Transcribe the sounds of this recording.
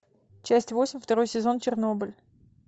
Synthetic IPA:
t͡ɕæsʲtʲvo̞sʲɪmʲft̪ɐɾo̞jsʲɪzo̞nt͡ɕɪrno̞bɨlʲ

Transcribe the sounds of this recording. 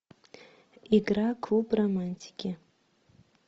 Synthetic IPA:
iɡrakʰupʼromanʲtʰi̥kʲʰʼe

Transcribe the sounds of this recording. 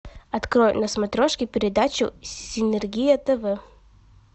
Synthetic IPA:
ɐt̪kɾojʊ̰nɐsmɐt̪ɾoʂkʲɪpʲɪɾʲɪd̪at͡ɕʊ̰ɪnɛrɡʲijɐt̪ɛvɛ

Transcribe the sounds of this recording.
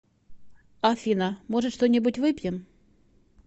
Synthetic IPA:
afʲinəmoʐɨt̪ʂt̪onʲɪbutʲvɨpʲjɪm

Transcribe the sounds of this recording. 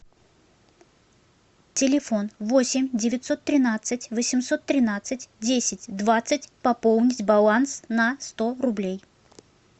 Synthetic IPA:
tʲɪlʲɪfo̞nvo̞sʲɪmʲdʲɪvʲɪt̪ʲso̞t̪ːɾʲɪnat̪sɨtʲvəsʲɪmso̞t̪ːɾʲɪnat̪sɨtʲdʲesʲɪtʲd̪vat̪sɨtʲpɐpolˠnʲɪtʲbɐlˠansnɐst̪o̞ɾʊblʲej

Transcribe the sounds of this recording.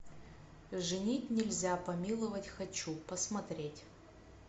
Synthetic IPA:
ʐɨnʲitʲnʲɪlʲzʲapɐmʲilˠəvətʲxɐt͡ɕupəsmɐt̪ɾʲetʲ

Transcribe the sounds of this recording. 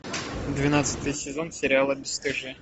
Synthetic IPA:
d̪vʲɪnat̪sɨ̥t̪ɨjsʲɪzonsʲɪɾʲɪalˠəbʲɪst̪ɨʐɨ

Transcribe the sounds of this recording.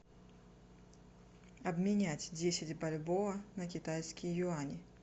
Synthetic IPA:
ɐbmʲinʲat͡sʲd͡zʲesʲɪd͡zʲbalʲbɔvɐnɐkʲit̪ajskʲijjuanʲi

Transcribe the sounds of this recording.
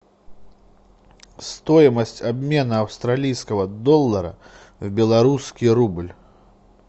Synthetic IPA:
st̪ɔjmɐsʲt͡sʲabʲmʲɛnɐɐwst̪ɾalʲijskɐɣɐd̪ɔlˠːɐɾɐ̰ | wbʲɛlˠaɾuskʲiɾublʲ

